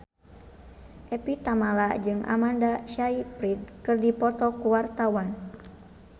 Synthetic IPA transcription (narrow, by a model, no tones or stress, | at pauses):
ʔɛpit̪amalad͡ʒɨŋʔa̰mandaʃaipɾit̪̚kɨrdipɔt̪ɔkuwart̪awan